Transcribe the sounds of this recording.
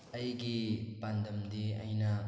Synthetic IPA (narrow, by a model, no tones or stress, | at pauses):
ɐjɡipandʱɐmdeɐ̰jnɐ